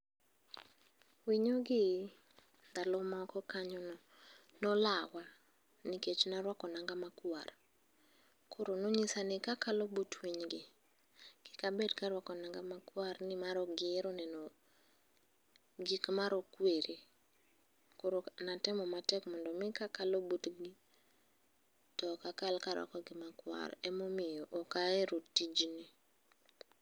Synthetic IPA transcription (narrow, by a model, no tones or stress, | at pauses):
wiɲoɡɪ | d̪alɔmakɔkaɲɔnɔ | nɔlawa | niket͡ʃnaɾwakɔnaŋɡamakwa̰r | kʰʊɾonoɲisanɪkakalɔbutwiɲɡɪ | ɡ̥ɪkabedkaɾwakɔnaŋɡamakwarnɪmaɾɔɡɪɾɔnɛnɔ | ɡikmaɾɔkweɾi | kʊɾonatɛmɔmatɛkmɔndɔmɪkakalobutɡi | tɔkakalkaɾwa̰kɔɡɪmakwa̰ɾɛmomɪjɔʔɔkaeɾotid͡ʒni